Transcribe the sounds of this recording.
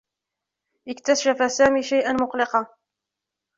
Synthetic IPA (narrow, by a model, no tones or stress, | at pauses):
ʔɪkt̪asʒafasaːmiːʃajʔanmʊqlɪqɑ